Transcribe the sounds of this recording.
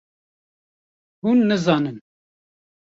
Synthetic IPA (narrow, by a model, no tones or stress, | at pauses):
hunːəzɑnən